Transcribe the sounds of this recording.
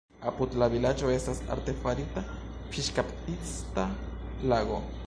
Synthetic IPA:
aput̪laβilat͡ʃoesasa̰ɾt̪efaɾit̪a | pʃiʃkapt̪ist̪alaɣo

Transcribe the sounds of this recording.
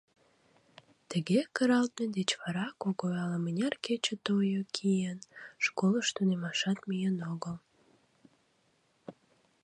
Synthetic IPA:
t̪əɣekəɾɑlt̪ned̪et͡ɕβɑɾɑkoɣoɑləmənʲɑrket͡ɕət̪ojokʰijənʃkoləʃt̪unemɑʃɑt̪mijənoɣəl

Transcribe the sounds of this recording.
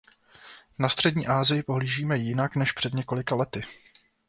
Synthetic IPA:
nast̪r̥ɛdɲiːʔaːzɪjɪpo̞ɦliːʒiːmɛjɪnaknɛʃpr̝̥ɛd̪ɲɛko̞lɪkalɛt̪ɪ

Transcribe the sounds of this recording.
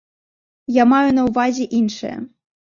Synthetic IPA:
jamajunɐuvazʲɛʔinʂɨ̰jɛ̰

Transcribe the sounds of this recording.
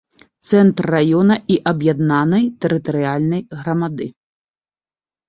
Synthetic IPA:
t̪sɛnt̪rːajɔnɐʔiʔɐbjad̪nanɐjt̪ɛɾɨt̪ɐɾɨalʲnɐjɣɾɐmad̪ɨ

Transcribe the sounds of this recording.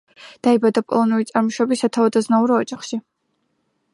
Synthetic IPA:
d̪̥aibad̪apʼɔlˠɔnuɾit̪sʼaɾmɔʃɔbisːat̪ʰavad̪aznauɾɔːd͡ʒaχʃi

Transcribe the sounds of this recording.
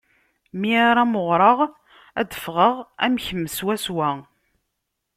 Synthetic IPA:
miaɾˤaməʁɾˤəʁ | æd̪əfʁəʁæmçəmːəswæswæ

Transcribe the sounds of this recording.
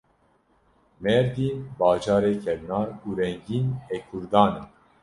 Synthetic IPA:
mɛɾd̪iːnbɑːd͡ʒɑːɾeːkʰɛɾnɑːuːɾɛŋɡiːnekʰuɾd̪ɑːna

